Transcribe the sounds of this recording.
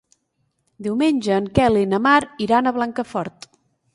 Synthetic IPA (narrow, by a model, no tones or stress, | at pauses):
d̪iwmenʲʒəːŋkɛlinəmaɾiɾanəβlaŋkəfɔɾt̪